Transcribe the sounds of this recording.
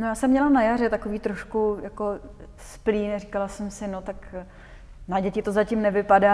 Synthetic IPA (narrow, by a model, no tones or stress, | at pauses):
nojaːsɛmːɲɛlanajaɾɛt̪ako̞viːt̪ɾo̞ʃkujako̞ | spliːnɛrikalasɛmsɪnot̪ak | naɟɛcɪt̪o̞zacɪmnɛvɪpadaː